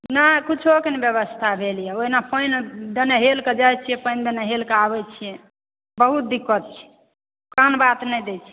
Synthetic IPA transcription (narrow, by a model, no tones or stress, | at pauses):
nakit͡ʃʰokenebjəβəst̪ʰabʱelijɛoɦinapəjnd̪əneɦelked͡ʒajt͡ʃʰijɛpəjnd̪ənəɦelkeabɛt͡ʃʰijɛ̃ | bəɦut̪̚d̪ikːət̪̚t͡ʃʰi̥ | kənbat̪nɛjd̪et͡ʃʰi̥